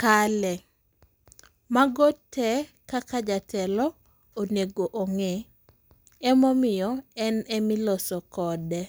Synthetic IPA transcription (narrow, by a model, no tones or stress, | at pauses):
kalɛ | maɡotʰːɛ | kakad͡ʒatʰɛlɔ | oneɡoʔoŋe | ɛmɔmɪjɔɛnɛmɪlɔsɔkɔdɛ